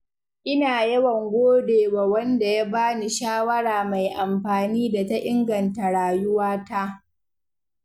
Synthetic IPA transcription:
ʔɪ˦naː˨jɐ˦wɐ˨ŋɡʷoː˦deː˨wa˨wɐ˦nda˨ja˦baː˦ni˨ʃaː˦wɐ˦ɽaː˨ma˨jʔa˨mɸaː˨niː˦da˨ta˦ʔɪ˦ŋɡɐ˨nta˨ɽaː˨jʊ˦waː˦ta˦ʔ

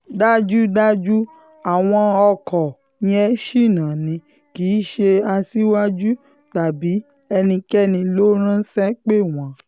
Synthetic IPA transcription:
da˦d͡ʒu˦da˦d͡ʒu˦ | a˨w̃ɔ̃˧ɔ˧kʰɔ˨ | ɲĩ˧ɛ˧˦ʃi˦˨nãː˨nĩ˧˦ | kiː˨˦ʃe˧a˧si˦wa˦d͡ʒu˦ | ta˨bi˨˦ | ɛ˧nĩ˧kɛ˦nĩ˧lo˦ɾ̃ã˦sɛ˦k͡pe˦˨w̃ã˨˦

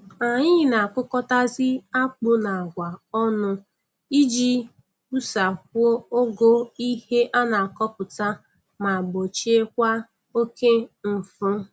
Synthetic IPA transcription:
a˨ɲɪ˦˨na˨a˨kʊ˦kɔ˦ta˦zɪ˦a˦k͡pʊ˦na˨a˨ɡʷa˨ɔ˦nʊ˦ | i˦d͡ʒi˦ | u˦sa˨ko˦o˦ɡo˦i˦he˦ʔa˦na˨a˨kɔ˦pʊ˨ta˦ | ma˨ɡ͡bo˨t͡ʃi˦e˦k̚ʷa˦ | o˦ke˦m̩˨fʊ˦

